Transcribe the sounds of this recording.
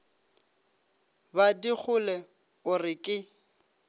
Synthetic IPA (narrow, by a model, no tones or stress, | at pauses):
badik͡xʰʊlɛ | ʊrɪkʼɪ